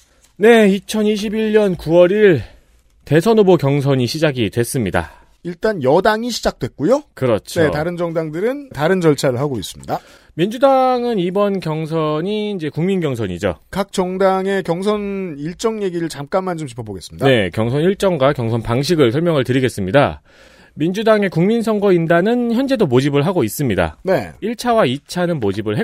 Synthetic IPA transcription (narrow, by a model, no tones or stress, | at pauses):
ne̞it͡ɕʰʌniɕ̬ʰibiɭɲʌnkuwʌɾiɭ | te̞sʰʌnobokjʌŋs̬ʰʌɲiɕʰid͡ʑaɡitwe̞s͈ɯmɲida̰ | iɭt͈anjʌdaŋiɕʰid͡ʑak̚t͈we̞k͈ujokɯɾʌt͡ɕʰnoetaɾɯnd͡ʑʌŋdaŋdɯɾɯntaɾɯnd͡ʑʌɭt͡ɕʰaɾɯɭɦaɡois͈ɯ̥mɲida | mind͡ʑudaŋɯnibʌnkjʌŋs̬ʰʌɲiːnd͡ʑe̞kuŋminɡjʌŋsʰʌɲḭd͡ʑo̰kak̚t͡ɕ͈ʌŋdaŋe̞kjʌŋsʰʌniɭt͡ɕ͈ʌŋje̞ɡiɾɯɭt͡ɕamk͈anmːand͡ʑomt͡ɕi̥pʰʌboɡe̞s͈ɯmɲidne̞kjʌŋsʰʌniɭt͡ɕ͈ʌŋɡwakjʌŋsʰʌnpaŋɕ̬ʰiɡɯɭsʰʌɭmjʌŋɯɭtɯɾiɡe̞s͈ɯmɲida̰ | mind͡ʑudaŋe̞kuŋminsʰʌŋɡʌindanɯnçjʌnd͡ʑe̞domod͡ʑibɯɭɦaɡois͈ɯmɲida̰ne̞iɭt͡ɕʰawait͡ɕʰanɯnmod͡ʑibɯɭɦe